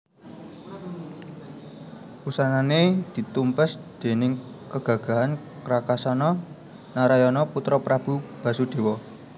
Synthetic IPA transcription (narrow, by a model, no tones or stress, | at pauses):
usananed̪̥i̤t̪umpəsd̪̥e̤nɪŋkəɡ̥ä̤ɡ̥a̤ɦan | kɾakasɔnɔ | naɾajɔnɔput̪ɾɔpɾab̥ṳb̥ä̤sud̪̥e̤wɔ